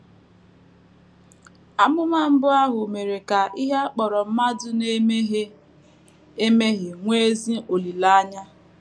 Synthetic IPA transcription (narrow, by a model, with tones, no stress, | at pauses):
a˦mʊ˦ma˦m̩˦bʊ˦a˦ɦʊ˨me˨ɾe˨ka˨ʔi˦ɦa˦k͡pɔ˨ɾɔ˨m̩˦ma˦dʊ˦ne˦me˦ɦe˦ | e˦me˦ɦɪ˨ŋʷe˦zi˦o˨li˨la˦ɲa˦